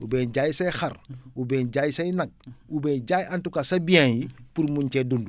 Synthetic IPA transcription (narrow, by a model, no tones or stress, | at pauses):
ubɛːnɟaːjisɐjxɐrubɛːnɟajisɐjnɐk̚ubɛːnɟaːjantukasɐbiãnjipuɾmuɲt͡ʃɛdundu